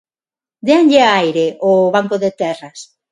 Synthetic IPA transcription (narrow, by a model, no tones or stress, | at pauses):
d̪eaŋʎeajɾeoβaŋkoðet̪ɛrɐs